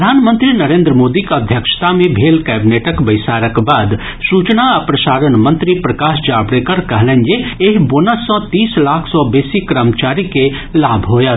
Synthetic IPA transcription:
d̪ʱaːnmə̃nt̪ɾinɐɾẽːnd̪ɾəmoːd̪ikɐd̪ʱjəkʃt̪amẽbʱeːlkɛːbineːʈəkbɐɪsaːɾəkbaːd̪ | suːt͡ʃnaɐpɾəsaːɾənmə̃nt̪ɾipɾəkaːʃd͡ʒaːbɾeːkəɾkəɦlə̃nd͡ʒeeɦboːnəsːɔ̃t̪iːslaːkʰsɔːbeːsikɾəmt͡ʃaːɾike | laːbʱɦoːja

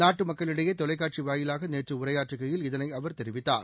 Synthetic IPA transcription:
naːʈːɯmɐkːɐɭɪɽɐjɐt̪ɔlɐɪk̬ːaːʈ̚t͡ʃiʋaːjɪlaːɣɐneːʈrɯʊrɐjaːʈrɯɣɐjɪlɪðɐnɐɪɐʋɐɾt̪ɛɾɪʋɪt̪ːa̰ːɾ

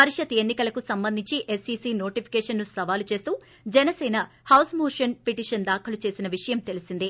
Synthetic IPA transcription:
pɐɾiʂɐt̪enːikɐlɐkusɐmbɐnd̪ʱiɲt͡ʃiʔesisiːno̞ːʈipʰi̥kɛːʂɐnːusɐʋaːlut͡ʃe̞ːst̪uː | d͡ʒɛnɐsɛːnɐhɐwsmoːʂɐnpiʈiːʃɐnd̪aːkʰɐlut͡ʃe̞ːsinɐʋiʂɐjɐmt̪e̞lisind̪i

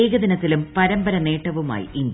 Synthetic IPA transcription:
eːɡɐðinɐt̪ːilumpɐɾɐmbɐɾɐne̞ːʈːɐʋuma̰ːjḭʔind̪

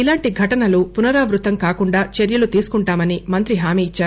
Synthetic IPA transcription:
ilaːɳʈiɡʱɐʈɐnɐlupunɐɾaːʋɾut̪ɐmkaːkuɳɖaːt͡ʃeɾjɐlut̪iːsu̥kuɳʈaːmɐnimɐnt̪ɾiɦaːmiːit͡ʃːaːɾu

